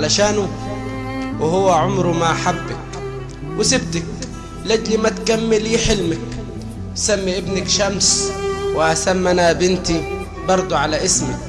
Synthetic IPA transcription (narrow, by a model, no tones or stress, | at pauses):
laʃaːnu | wɪhʊwːaʕʊmɾmaʔħabːak | wɪsɪb̚t̪ak | lad͡ʒlimat̪kamːɪliːħɪlmak | samːiʔɪbnakʃamswɪʔasamːanabɪnt̪i | bɑɾˤd̪ˤuʕalaʔɪsmi